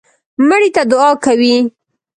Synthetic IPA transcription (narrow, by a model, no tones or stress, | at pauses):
məɽit̪ad̪ʊɑkawi